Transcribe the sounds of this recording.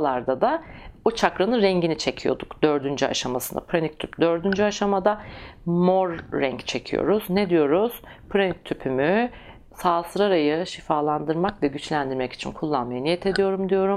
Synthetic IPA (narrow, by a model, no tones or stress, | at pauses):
lˠaɾd̪ad̪aot͡ʃʰakɾanɯɾɛɲɟinit͡ʃʰe̞cʰijo̞̰d̪ukd̪̥øɾd̪ynd͡ʒya̰ʃamasɯnd̪a̰pʰɾanik̚t̪ʰy̰pd̪ø̞ɾd̪ynd͡ʒyaʃamad̪amoɾːɛŋct͡ʃʰe̞cʰijo̰ɾuzned̪ijo̞ɾuz̥pʰɾanic̚t̪ʰypʰymy | saːsɯɾaɾajɯʃifaːlˠand̪ɯɾmakvɛɟyt͡ʃlʲænd̪iɾmɛci̥t͡ʃʰinkʰulˠːanmajanijɛt̪ʰe̞d̪ijo̞ɾumd̪ijo̞ɾum